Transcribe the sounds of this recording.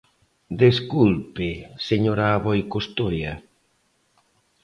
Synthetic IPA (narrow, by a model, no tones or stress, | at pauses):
d̪eskulpɪseɲoɾaːβojkost̪ojɐ